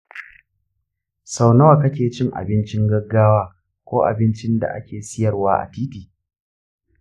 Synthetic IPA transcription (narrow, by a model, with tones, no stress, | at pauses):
sa˨wnɐ˦wa˨kɐ˦kʲeː˨t͡ʃɪ˦ŋʔa̰˨bɪ˦nt͡ʃɪ˦ŋɡɐ˦ɡːaː˦waː˦ | kʷoː˦ʔa̰˨bɪ˦nt͡ʃɪ˦nda̰˨ʔa̰˦kʲeː˨sɪ˦jɐ˨rwaː˦ʔa̰˨tiː˦tiː˨